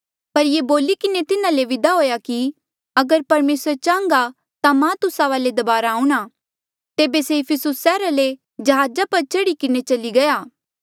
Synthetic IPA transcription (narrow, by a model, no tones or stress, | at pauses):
pɐɾjeboːlikɪnet̪ɪnãleʋɪd̪aɦoːjaki | ɐɡəɾpɐɾmeːsəɾt͡ʃãːŋɡa | t̪amãt̪ʊsaʋaːled̪ɐbaːɾaːũɽ̃a | t̪eːbeseɪpʰɪsʊsːɛːɾale | d͡ʒɐɦaːd͡ʒapɐɾt͡ʃɐɽikɪnet͡ʃɐliɡɐjaː